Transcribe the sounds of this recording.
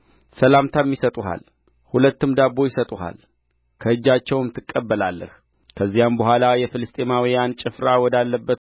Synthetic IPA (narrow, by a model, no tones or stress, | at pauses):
səlamt̪ʰamjisət̪ʼuɦa̰l | hulət̪ːɨmd̪abːo̞jɪsət̪ʼuha̰l | kʰəɨd͡ʒːat͡ʃːɛwmt̪ʰɨkʼːəbːəlalːə̰h | kʰəzːijambəɦʷwʷalajɛfɨlɨst̪ʼemawijant͡ʃʼɪfɾawɔd̪alːəbːət̪